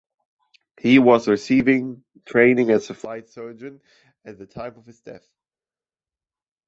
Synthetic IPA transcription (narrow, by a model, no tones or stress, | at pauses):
hiwʌzɹɨsivɪ̃ŋ | tʰɹ̥ẽɪ̃nɪ̃ŋɨzɨflaɪtsɜ˞d͡ʒɨ̃n | ɨt̪̚ðɨtʰãɪ̃mʌv̥ɨzdɛ̰θ